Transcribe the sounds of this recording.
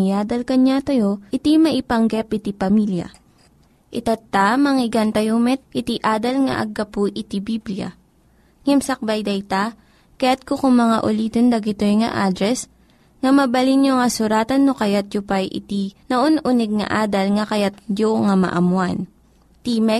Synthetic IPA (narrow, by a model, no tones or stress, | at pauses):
ɪjaːd̪ɐlkɐɲat̪ɐjoʔɪt̪imɐʔɪpɐŋɡɛpʔɪt̪ipɐmiljɐ̰ | ʔɪt̪at̪ːamɐŋɪɡɐnt̪ɐjomɛt̪̚ʔɪt̪iʔaːd̪ɐlŋɐ̰ʔɐ̰ɡɐpuʔɪt̪ibiblijɐ̰ | ŋɛmsɐk̚bɐjd̪ɐjt̪a | kɐjat̪̚kokʊŋmɐŋaʔʊliːd̪ond̪ɐɡɪt̪ojŋɐ̰ʔad̪ɾɛs | ŋɐmɐbɐlinjoŋɐsʊɾaːt̪ɐnːokɐjat̪̚jʊpajʔɪ̰t̪inɐʔonʔunɛɡ̚ŋɐ̰ʔaːd̪ɐlŋɐkɐjat̪̚joŋamɐ̰ʔɐmwan | t̪imɛ